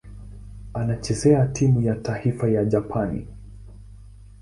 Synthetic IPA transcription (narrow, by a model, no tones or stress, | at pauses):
anat͡ʃɛsɛatʰimujataifajaʄapʰanḭ